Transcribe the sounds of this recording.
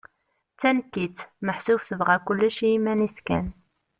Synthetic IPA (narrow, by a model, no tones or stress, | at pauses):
t͡sːænkːit͡sməħsufθəvʁækʊlːuʃijimæniskæ̰n